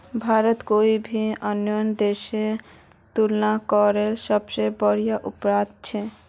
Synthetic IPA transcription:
bʱaɾot̪koibʱiɔnːɔjond̪eʃe | t̪ulnakɔɾelʃɔbt͡ʃejbɔɾijaʔupɾad̪̚t͡ɕʰe

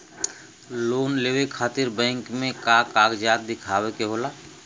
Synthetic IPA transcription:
loːnleːwekʰaːt̪ɪɾbɛ̃ːŋkmẽkaːkaːkd͡ʒaːt̪̚d̪ɪkʰaːwekeɦolaː

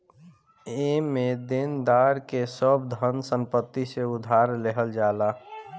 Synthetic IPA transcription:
emed̪end̪aɾkesəbd̪ʱənsə̃mpət̪ːiseʊd̪ʱaɾleɦəld͡ʒala

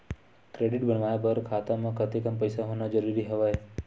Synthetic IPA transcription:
kɾeɖɪʈbəɳʋajabəɾkʰat̪amãkət̪ekəmpəjsaɦonad͡ʒəɾuɾiɦəʋae

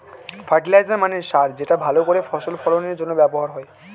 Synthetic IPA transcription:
fʰaʈilajzeɾmaneʃaɾd͡ʑeʈabʱalokoɾefʰɔsolfɔloneɾd͡ʑonːobɛboɦaɾɦɔe

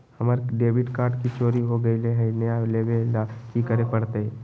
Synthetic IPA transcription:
hɐmaɾɖeːʋɪʈkaːɾʈkit͡ʃoːɾiɦoɡəileɦɛnəjaleːʋeakikəɾepɐɽt̪eɛ

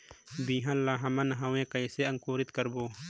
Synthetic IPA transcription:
biːɦɐ̃llːaːɦɐmɐnɦɐwẽːkɐjseɐŋkoːɾit̪kɐɾboː

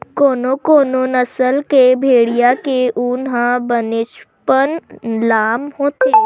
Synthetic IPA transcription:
koːnokoːnonəsəlkebʱeːɽijakeʔʊnɦãbənɪʃpənlaːmhoːt̪e

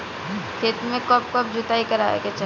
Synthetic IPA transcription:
kʰeːt̪mẽkɔp̚kɔp̚d͡ʒʊt̪aːikɐɾa̰ːḛket͡ʃə

